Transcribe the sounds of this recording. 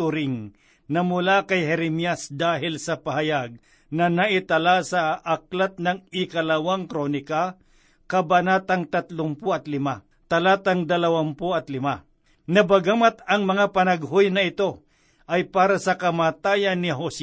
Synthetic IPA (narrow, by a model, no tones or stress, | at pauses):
tʊɾɪŋ | nɐmʊlakɐjɦɛɾɛmjasd̪aːɦɪlsɐpɐɦɐjaɡ̚ | nɐnɐʔɪt̪ɐlasɐʔɐk̚lat̪̚nɐŋɪkɐlɐwaŋkɾonɪka | kɐbɐnat̪ɐŋt̪ɐt̪lʊmpoɐt̪lɪma | t̪ɐlat̪ɐŋd̪ɐlɐwampoɐt̪lɪma | nɐbɐɡamat̪ɐŋmɐŋapɐnɐɡɦojnɐɪt̪o̞ | ʔɐjpaːɾɐsɐkɐmaːt̪aːjɐnːɪɦos